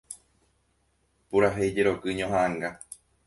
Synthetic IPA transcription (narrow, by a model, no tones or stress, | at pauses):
puɾaɦed͡ʒeɾo̞kɨɲõɦaaŋɡa